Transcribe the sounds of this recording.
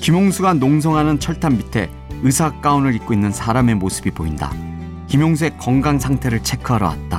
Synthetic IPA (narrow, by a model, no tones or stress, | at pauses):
kimjoŋsʰuɡanoŋs̬ʰʌŋɦanɯnt͡ɕʰʌɭtʰambitʰe̞ | ɯsʰak̚k͈aunɯɾik̚k͈oinːɯnsʰaɾame̞mosʰɯ̥bipoinda̰ | kimjoŋsʰe̞k͈ʌŋɡaŋsʰaŋtʰe̞ɾɯɭt͡ɕʰe̞kʰɯaɾʌ̰wa̰t̚t͈a̰